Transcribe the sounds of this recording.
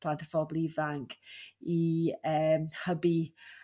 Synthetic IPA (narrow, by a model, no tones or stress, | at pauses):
ladəfɔblˠivaŋkʰiəmhəbi